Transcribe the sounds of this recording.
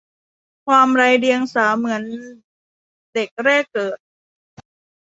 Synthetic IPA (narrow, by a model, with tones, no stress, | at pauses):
kʰwaː˧mɾaː˧jɾi˧əŋsaː˩˦mɯ˩˦ən | de˨˩k̚ɾɛː˥˩kːɤː˨˩t̪̚